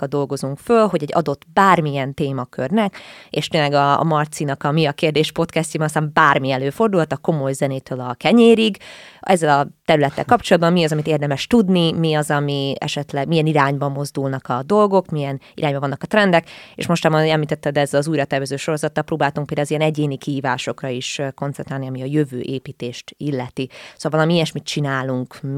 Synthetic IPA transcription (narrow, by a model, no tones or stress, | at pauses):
kɒd̪o̞lɡo̞zuŋkfølɦo̞ɟɛɟːɒ̰d̪o̞t̪ːbaːrmijɛnt̪eːmɒkʰø̰rnɛkeːʃt̪eːnlɛɡɒ̰mɒrt̪sinɒkɒmiɒkeːrd̪eːʃpo̞t̪kɛst̪ibɛnɒst̪aːmbaːrmiɛløːfo̞rd̪ulhɒt̪ɒko̞mo̞jzɛneːt̪øːlɒkɛɲeːɾiɡɛzːɛlɒt̪ɛɾylɛt̪ːɛ̰lkɒp̚t͡ʃolɒd̪bɒmːiɒzɒmit̪eːrd̪ɛmɛʃt̪ud̪nimiɒzɒmiɛ̰ʃɛt̪lɛɡmijɛniɾaːɲbɒmːo̞zd̪ulnɒkɒd̪o̞lɡo̞kmijɛn | iɾaːɲbɒɒnːɒkɒt̪rɛnd̪ɛkḛʃmo̞ʃt̪aːmɒɛmliːt̪ɛt̪ːɛd̪ɛzːɛlɒzuːjɾɒt̪ɛrvɛzøːʃo̞ɾo̞zɒt̪ːɒlpɾoːbaːlt̪uŋkpeld̪aːɔzijɛnɛɟeːnikiɦiːvaːʃo̞krɒiʃko̞nt̪sɛnt̪ɾaːlniɒmiɒjøvø̰ːʔeːpiːt̪eːʃt̪ilːɛt̪isoːlvɒlɒmiiɛʃmit̪t͡ʃinaːluŋk